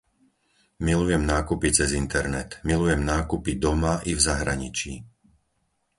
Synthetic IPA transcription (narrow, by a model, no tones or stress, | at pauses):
milujɛmnaːkupit͡sɛzint̪ɛɾnɛt̪milujɛmnaːkupid̪ɔmaʔivzaɦɾaɲit͡ʃi